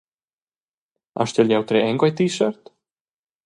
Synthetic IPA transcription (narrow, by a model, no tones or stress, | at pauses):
a̰ʃt̪ɛljawt̪ɾeɛŋkajt̪iːsœɾt̪